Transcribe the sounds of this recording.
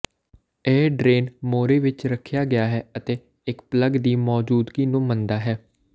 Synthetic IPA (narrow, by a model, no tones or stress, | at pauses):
eːɖɾeːnmoːɾeːʋɪt͡ʃɾəkʰːjaːɡɪjaːɦɛːət̪eː | ɪkpləɡd̪iːmɔːd͡ʒuːd̪ɡiːnũːmənd̪aːɦɛː